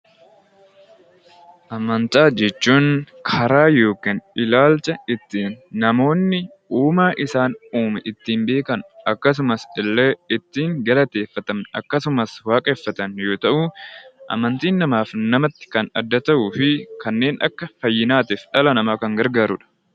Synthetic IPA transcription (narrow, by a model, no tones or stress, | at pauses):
ʔɐmɐnt̪aːd͡ʒɛt͡ʃːuːŋkʰɐɾaːjo̞ːkinʔɪlaːlt͡ʃʼɐɪt̪ːiːnːɐmo̞ːnːɪ | uːmaːʔɪsaːnuːmɛʔɪt̪ːiːmbe̞ːkɐnʔɐkːɐs̬ʊmɐsɪlːɛɪt̪ːiːŋɡɐlɐt̪e̞ːfːɐt̪ɐmɐ̰kːɐsʊmɐswaːkʼefːɐt̪ɐnjo̞ːt̪ɐʔuːʔɐ̰mɐnt̪iːnːɐmaːfnɐmɐt̪ːɪ̥kɐnɐ̰d̪ːɐt̪ɐʔuːfɪkɐnːe̞ːnʔɐ̰kːɐfɐjːɪnaːt̪ɪfᶑɐlɐnɐmaːkɐŋɡɐɾɡaːɾʊᶑɐ̥